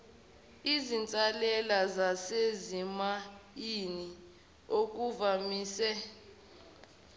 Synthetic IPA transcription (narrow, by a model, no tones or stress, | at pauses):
izint͡sʼalɛlazasezimajini | ok̬ʼuvamiːsɛ